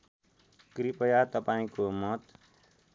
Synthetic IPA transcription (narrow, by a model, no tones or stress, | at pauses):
kɾipəjat̪əpãːĩkomʌt̪